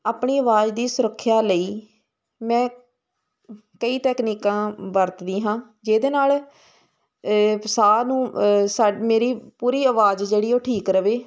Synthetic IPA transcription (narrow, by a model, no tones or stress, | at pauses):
aːpɳiːəʋaːd͡ʒd̪iːsʊɾəkʰːjaːləiː | mɛ̃ː | kəiːt̪ɛːkniːkãːbəɾt̪d̪iːɦãː | d͡ʒeːd̪eːnaːl | saːnũːsaːmeːɾiːpuːɾiːəʋaːd͡ʒd͡ʒeːɽiːoːʈʰiːkɾəʋeː